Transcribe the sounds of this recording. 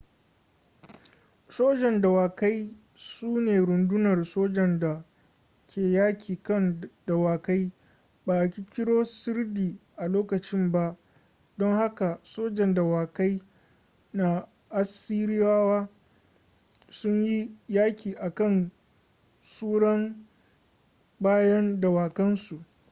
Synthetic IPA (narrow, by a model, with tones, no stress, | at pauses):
soː˦d͡ʒɛ˨nda˨waː˨ka˦j | suː˦neː˨ɾʊ˨ndʊ˦nɐ˨rsoː˦d͡ʒɛ˨nda˨ | kʲʰeː˨jaː˦kʲiː˨kɐ˦nd̥a˨waː˨ka˦j | baː˨ʔa˨kʲi˦kʲɪ˦ɽoː˦sɪ˦rdiː˨ʔa˨loː˦kɐ˨t͡ʃɪ˦mba˦ʔ | dɔ˦ŋha˦ka˨soː˦d͡ʒɛ˨nda˨waː˨ka˦j | na˨ | ʔa˦siː˦ɽɪ˦jaː˦waː˦ | sʊ˦ɲji˦jaː˦kʲiː˨ʔa˨kɐ˦n | suː˦ɽɐ˦m | baː˦jɐ˦nda˨waː˨kɐ˦nsu˨ʔ